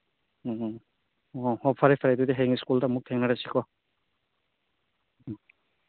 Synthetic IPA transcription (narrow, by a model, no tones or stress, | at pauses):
ɔhɔpʰaɾepʰaɾajdudeɦeŋiskultamuk̚tʰeŋnaɾasikʰɔ